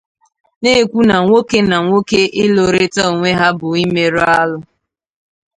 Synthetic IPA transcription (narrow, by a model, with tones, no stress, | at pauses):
ne˦e˦˨kʷu˦na˨ŋʷo˦ke˦na˨ŋʷo˦ke˦ɪ˦lo˨ɾe˦tɔ˦o˨ŋʷe˦ɦa˦bʊ˨i˦me˦ɾa˦lʊ˦